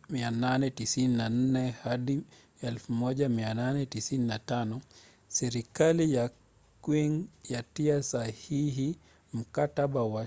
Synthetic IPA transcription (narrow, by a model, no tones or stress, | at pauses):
miananɛtisininan̩nɛhaɗi | jaɛlfumɔʄamiananɛtisininatanɔ | sɛɾikalija | kwiŋjatiasahiɦi | m̩kataɓawa